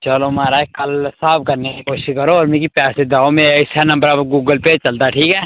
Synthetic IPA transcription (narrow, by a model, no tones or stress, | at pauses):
t͡ʃɐlomaːɾaekɐlsaːb̚kɐɾnekikoːʃɪʃkɐɾoɔːɾmẽkipɛːsed̪aːmẽsɛnɐ̃mbəɾaɡuːɡəlpet͡ʃɐlt̪aʈʰiːkɛː